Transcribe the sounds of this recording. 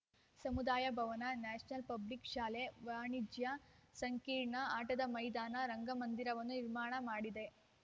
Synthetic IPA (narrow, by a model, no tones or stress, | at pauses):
sɐmud̪aːjɐbʱɐʋɐnɐnaːʂnɐlpɐblikʃaːleʋaːɳid͡ʒjɐsɐŋkiːɾɳɐaːʈɐd̪ɐmɐjd̪aːnɐɾɐŋɡɐmɐnd̪iɾɐʋɐnːuniɾmaːɳɐmaːɽid̪e